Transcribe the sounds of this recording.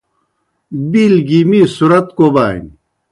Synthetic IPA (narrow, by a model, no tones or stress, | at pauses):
bilɡiːmiːsuɾɐt̪kobaːḭn